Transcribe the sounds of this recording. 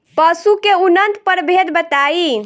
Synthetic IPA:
pəsukeunənt̪pəɾbʱed̪bət̪ai

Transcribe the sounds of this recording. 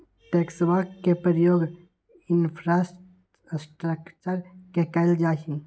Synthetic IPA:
ʈeːksʋaːkkːepəɾəjoːɡ | inpʰɾas | sʈɾəkt͡ʃəɾkekɐld͡ʒaːɦĩ

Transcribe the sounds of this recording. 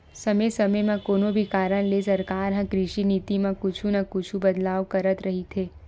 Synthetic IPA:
səmesəməjmãkoːnobʱikaːɾəɽlesɐɾkaːɾɦə̃kɾɪʃiniːt̪imãkʊt͡ʃʰũnəkʊt͡ʃʰubəd̪laːʋkəɾət̪ɾəɦit̪ʰeː

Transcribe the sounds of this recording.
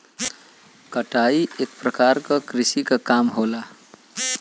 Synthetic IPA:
kəʈaiʔek̚pɾəkaɾkakɾisikakamɦola

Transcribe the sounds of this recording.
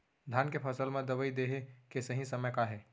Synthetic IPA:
d̪ʱjaːnkepʰɐsəlmẽd̪ɐʋəid̪eːɦekesəɦĩsɐməjkaɦɛː

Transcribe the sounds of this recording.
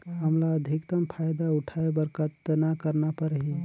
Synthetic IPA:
ɦəmlaəd̪ʱikt̪əmpʰaːjd̪aʊʈʰaebəɾkʰət̪ːnakəɾnapəɾɦi

